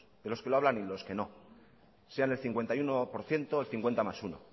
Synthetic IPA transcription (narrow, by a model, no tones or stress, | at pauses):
d̪e̞lo̞skeloaβlanilo̞ske̞no̞ | se̞ane̞lθiŋkwe̞nt̪ajunopo̞ɾθje̞nt̪o̞elθiŋkwent̪amasuno̰